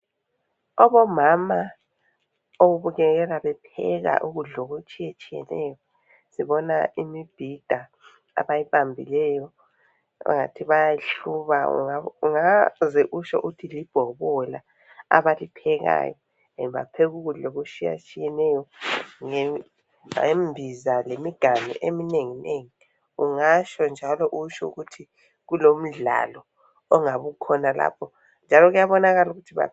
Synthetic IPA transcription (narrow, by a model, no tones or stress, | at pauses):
ɔβɔmama | oɣuβuɣɛɣɛlaβɛpʰɛɣa̰ʔuɣuɮoɣot͡ʃʼijet͡ʃʼijɛ̰nɛjɔ | siβɔnaimib̥ʱid̥ʱa | a̰βajiβambʱilɛjɔ | ṵŋa̰tʰiβajaɬuβaṵauŋazɛʔuʃɔ̰ʔutʰilib̥ʱɔβɔla | a̰βalipʰɛɣa̰jɔ | ɛnβa̰pʰeɣuɣuloɣut͡ʃija̰t͡ʃʼijɛnɛjɔŋe | embʱizalemiɡ̥ʱanɛ̰ʔemineŋineŋi | uŋaʃɔnd͡ʒʱalɔʔuʃɔuɣutʰi | ɣulom̩ɮa̰lɔ | ɔŋaβukʰɔnala̰ːpʰɔ | nd͡ʒʱalɔɣujaβɔnaɣaluɣutʰiβa̰